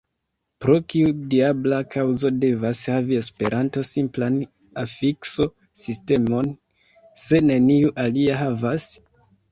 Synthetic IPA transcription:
pɾo̞kiudiablakʰawzo̞de̞vashavie̞spe̞̰ɾʔanto̞simplan | afikso̞ | siste̞mo̞n | se̞ne̞niuʔaliaɦavas

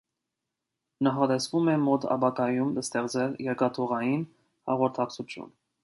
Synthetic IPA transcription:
nɑχɑt̪ɛsvumɛmɔt̪ʰɑ̰bɑkɑjumləst̪ɛʁt͡sɛljɛɾkɑt̪ʰuʁɑjin | hɑʁɔɾt̪ʰɑkt͡sʰut͡s̪ʰjṵn

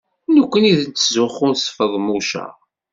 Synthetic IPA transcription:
nəkʷːəniðənt͡sːzʊχʊɾsfəðˤmuʃæ̰

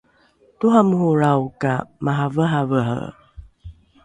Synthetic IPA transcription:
tuɦamhuɾawkamaɦavəɦavəɦə̰

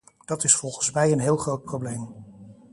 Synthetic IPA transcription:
d̥ɑtɪsfɔlˠχənsmɛjənɦɪːlˠχrowt̚prowblejm

